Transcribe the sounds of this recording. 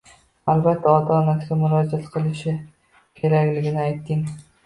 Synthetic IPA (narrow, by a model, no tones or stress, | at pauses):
albat̪ʰːaɒt̪ʰaːnasɪɡʲamʊɾɒd͡ʒat̪qʰɨlˠɪʃɪ | kʲʰe̞ɾakʲlɪɡʲɪnɪajt̪ʰːɪŋ